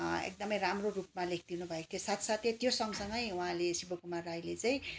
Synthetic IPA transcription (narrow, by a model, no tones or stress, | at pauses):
ḛk̚d̪ʌmʌjramrorup̚malek̚ʰd̪inubʱʌekt̪ʰjosat̪ʰsat̪et̪josʌŋɡsʌŋɡʌjuɦãlesibokumarajlet͡saĩ